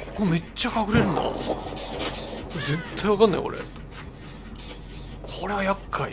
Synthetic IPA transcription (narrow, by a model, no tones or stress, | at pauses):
kome̞t͡ɕːakaɡɯ̟ɾe̞ɾɯ̃na̰ | oezet̪ʰːajβakãnːa̰j̰o̰ɾḛ | kʰoɾe̞βajakʰːaḭ